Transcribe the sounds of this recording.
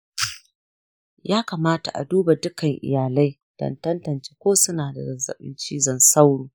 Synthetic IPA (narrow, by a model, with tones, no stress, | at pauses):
jaː˦kaː˨maː˦ta̰˨ʔa̰˨duː˦ba˨dʊ˦kɐ˨ŋʔɪ̰˨jaː˨la˦j | d̥ɔ̰˦ntɐ˦ntɐ˨nt͡ʃeː˦kʷoː˦sʊ˦naː˨da̰˨zɐ˨zɐ̰˨ɓɪ̰˦nt͡ʃiː˦zɐ˨nsa˦wɽuː˨